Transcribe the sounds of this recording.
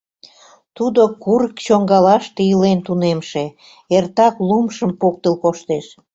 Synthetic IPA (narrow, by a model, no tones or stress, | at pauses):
t̪ud̪okuɾəkt͡ɕoŋɡɑlɑʃt̪eəlent̪unemʃe | ert̪ɑklumʃəmpok̚t̪əlkoʃt̪eʃ